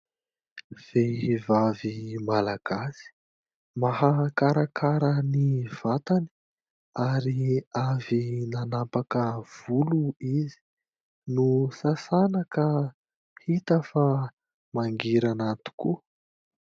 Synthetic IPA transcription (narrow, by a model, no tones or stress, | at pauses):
v̥evavimalaɡ̥asi̥ | mahakaɾakʰaɾəniv̥at̪ani̥ | aɾiavinanapakəv̥uluizi̥ | nusasanakə | hit̪əfa | maŋɡiɾanat̪u̥ku